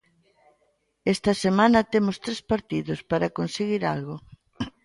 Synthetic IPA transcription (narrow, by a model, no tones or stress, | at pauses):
est̪ɐsemanɐt̪emʊst̪ɾespaɾt̪iðʊspaɾɐkonseɣiɾalɣo